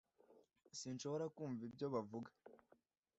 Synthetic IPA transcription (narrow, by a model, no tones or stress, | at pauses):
sinʃo̞βo̞ɾakuːɱvib̚ɟo̞βavuɡḁ